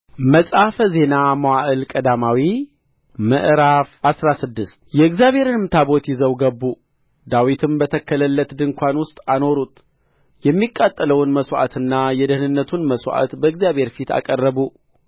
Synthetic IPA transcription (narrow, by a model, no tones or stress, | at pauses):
məsʼafəze̞namawaʔɨlkʼəd̪amawi | məʔɾafasɾasɨd̪ːɨst̪jɛɨɡzjaβhe̞ɾnmɨt̪ʰabo̞t̪jɪzəwɡəbːu | d̪awit̪ʰɨmbət̪ʰəkːələlːət̪d̪ɨŋkʰʷanwʊst̪ʼano̞ɾut̪ | jɛmːikʼːat̪ʼːələwnməswʔa̰t̪ʰɨnːajɛd̪əhnɨnːət̪ʰunməswʔa̰t̪bəɨɡzjabhe̞ɾfit̪a̰kʼərːəbu